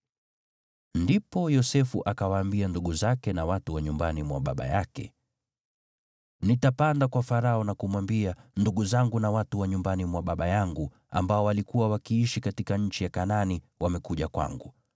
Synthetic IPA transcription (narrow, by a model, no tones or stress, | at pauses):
ndipɔjɔsɛfuʔakawaːmbianduɠuzakɛnawatuwaɲumbanimwa̰ɓa̰ɓa̰jakɛ̰ | nitapandakwafaɾaɔnakumwambianduɠuzaŋɡunawatuwaɲumbanimwaɓaɓajaŋɡu | a̰mbaɔwalikuwawakiiʃikatikaɲ̩t͡ʃijakanani | wamɛkuʄakwa̰ŋɡu